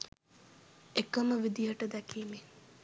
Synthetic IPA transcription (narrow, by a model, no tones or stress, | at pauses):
ekəməʋid̪ijəʈəd̪ɛkiːme